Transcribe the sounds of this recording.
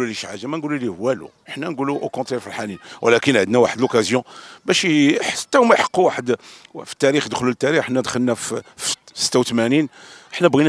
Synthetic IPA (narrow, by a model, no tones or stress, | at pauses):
uliʃʕaʒæmænɡululihwːælṵ | əħnænɡuluʔokɔ̃t̪ɾɛɾfilħaninwʔæ̰lækənʕəd̪næwaħəd̪lokæzjɔ̃bæʃiħḁt̪ːæhʊmæjħə̥qːuwaħəd̪fi̥t̪ːæɾixd̪əxlulət̪ːæɾiħnːæd̪xəlnæffsə̥t̪ːæwt̪mæninəħnæbɣinæ